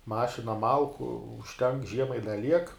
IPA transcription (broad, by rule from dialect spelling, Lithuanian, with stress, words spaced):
ˈmɑːʃʲɪnɐ ˈmɐlˠkʊ ʊʃʲˈtʲɛŋk ˈʒʲiɛmɐɪ ɪ dɐ ˈlʲiɛk